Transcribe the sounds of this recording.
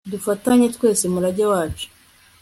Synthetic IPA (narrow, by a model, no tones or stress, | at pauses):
dufataɲetwe̞ːse̞muɾaɟawaːt͡ʃu̥